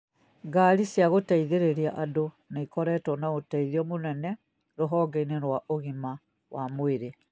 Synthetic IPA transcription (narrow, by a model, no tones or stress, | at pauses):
ɡaɾisjaɣotaiðeɾeɾjaʔado | naikɔɾɛtɔnaɣotaiðiɔmonɛnɛ | ɾoɦɔɡeineɾwaʔoɣima | wʔamweɾe